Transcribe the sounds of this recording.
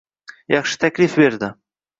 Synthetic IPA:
jɑχʃə̥t̪æklʲifbeɾd̪ɪ

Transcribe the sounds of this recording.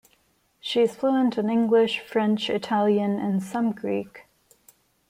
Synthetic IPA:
ʃiɨz̥fluə̃ntɨ̃nɪ̃ŋɡlɪʃfɹɛ̃nt͡ʃɨtʰælˠjɨ̃nɪ̃nsʌ̃mɡɹik

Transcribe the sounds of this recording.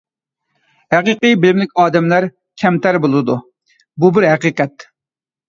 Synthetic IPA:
hæqiqɨjbɪlɪmlɪkʲɑːd̪ɛmlæɾ | kʲʰɛmt̪æɾbolˠɨd̪u | bubɪɾɦæqiqɛt̪

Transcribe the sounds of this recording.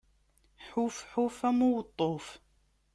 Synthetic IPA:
ħufħufæmʊwət̪ˤːof

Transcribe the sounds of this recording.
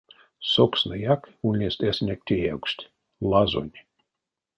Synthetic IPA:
soksnəjakunʲːest̪esʲnʲek̚t̪ʲʰijæwksʲt̪ʲ | lˠazo̰nʲ

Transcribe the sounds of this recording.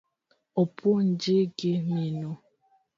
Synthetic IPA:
opʰʊn̩d͡ʒeɡemino

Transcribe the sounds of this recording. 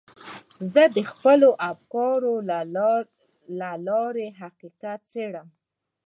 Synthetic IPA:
zəd̪əxpəloʔafkɑɾo | lalɑɾeɦaqiqat̪̚t͡seɽəm

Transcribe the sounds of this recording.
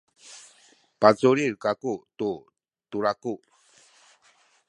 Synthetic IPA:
pat͡suɾiɾkakutu | tuɾaku

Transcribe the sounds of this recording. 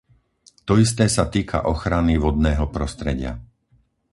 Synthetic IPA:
t̪ɔist̪ɛːsat̪iːkʰa̰ʔɔxɾaniʋɔd̪̚nɛːɦɔpɾɔst̪ɾɛɟɪa̰

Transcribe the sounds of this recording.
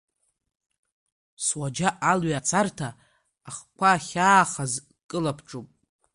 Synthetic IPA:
swad͡ʒaʔalɥat͡sʼʰartʰaː | χkʷʰaχʲaːχaz | kʼɨlapʰʈ͡ʂʼupʼ

